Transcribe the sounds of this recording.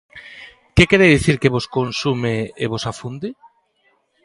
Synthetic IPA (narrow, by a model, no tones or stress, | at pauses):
kekeɾeðiθiɾkeβoskonsumeeβosafund̪i